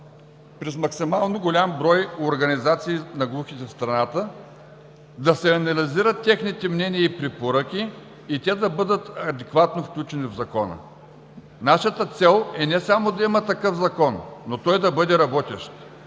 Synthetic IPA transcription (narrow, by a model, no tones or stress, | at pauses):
pɾɛzmɐksimalˠnoɡolʲambɾɔjoɾɡɐnizat̪siːnɐɡlˠuxit̪ɛfst̪ɾɐnat̪ə | d̪ɐsɛɐnɐliziɾət̪ʲːɛxnit̪ɛmnɛniəipɾɛpoɾəkʲiː | t̪ʲɛd̪ɐbɤd̪ət̪ɐd̪ɛkvat̪nofklʲut͡ʃɛnivzɐkɔnə̰ | naʃət̪ət̪sɛlˠɛnɛsamod̪ɐimɐt̪ɐkɤfzɐkɔnnot̪ɔjd̪ɐbɤd̪ɛɾɐbɔt̪ɛʃt̪